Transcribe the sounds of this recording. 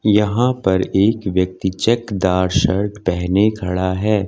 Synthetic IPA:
jɐɦãpɐɾeːkʋjɐk̚t̪it͡ʃɛkd̪aːɾʃɐɾʈpɛɦnekʰɐɽaɦɛː

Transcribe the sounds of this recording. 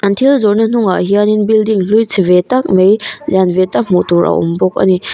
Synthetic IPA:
antʰilzɔɾnɐn̥uŋaɦianinbildiŋlujt͡sʰivetak̚mejzanvetak̚m̥utɔɾʔa̰wʔɔ̰mbɔk̚ɐ̰ni

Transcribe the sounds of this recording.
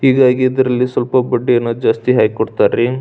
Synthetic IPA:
hiːɡaːɡiːd̪ɐɾɐlːisʋɐlpɐbɐɖːijɐnːud͡ʒaːst̪iɦaːjkɔɽt̪aːɾe

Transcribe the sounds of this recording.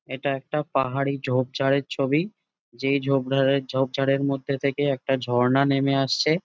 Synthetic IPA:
eʈaɛk̚ʈapaɦaɽid͡ʑʱob̚d͡ʑʱaɽeɾt͡ɕʰobi | d͡ʑejd͡ʑʱobd͡ʑʱob̚d͡ʑʱaɽeɾmod̪ʱːet̪ʰekeɛk̚ʈad͡ʑʱɔɾnanemeaʃt͡ɕʰe

